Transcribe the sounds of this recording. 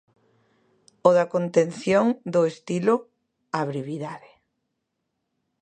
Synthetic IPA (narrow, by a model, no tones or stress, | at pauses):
oðakont̪en̟θjoŋd̪ʊest̪ilʊ | aβɾiβiðaðɪ